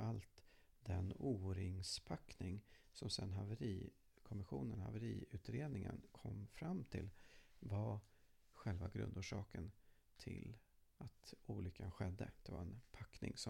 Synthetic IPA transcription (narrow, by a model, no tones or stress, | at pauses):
alt̪ | d̪ɛnuːɾɪŋspʰaknɪŋ | sɔmsɛnːɦavəɾiː | kʰɔmɪɧuːnənha̰vəɾiːʉ̟ːt̪ɾeːd̪nɪŋənkʰɔmːfɾamːt̪ʰɪlva | ɧɛlvaɡɾɵ̰nd̪uːʂɑːkən | t̪ʰɪlat̪uːlʏkːanɧɛd̪ːəd̪̥ɛva̰ɾɛnpʰakːnɪ̰ŋsɔ